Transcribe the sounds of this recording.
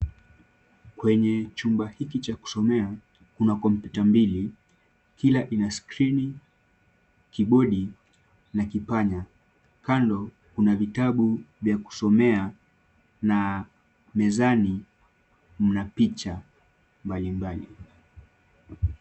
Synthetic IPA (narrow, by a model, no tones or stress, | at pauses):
kwɛɲɛt͡ʃumbahikit͡ʃaku̥sɔmɛa | kunakɔmpjutambili | kilaʔinaskɾini | kiɓɔɗi | nakipaɲa | kandɔ | kunavitaɓuvjaku̥sɔmɛa | na | mɛzani | m̩napit͡ʃa | mbalimbalḭ